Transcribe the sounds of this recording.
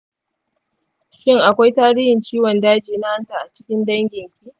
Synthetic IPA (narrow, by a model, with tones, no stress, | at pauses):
ʃɪ˦ŋʔa˨kʷa˦jtaː˦ɽiː˦hɪ˨nt͡ʃiː˦wɔ˨ndaː˦d͡ʒiː˨na˦ha˦ntaː˨ʔa˨t͡ʃɪ̥˦kʲɪ˦ndɐ˦ŋɡʲɪ˨ŋkʲi˦ʔ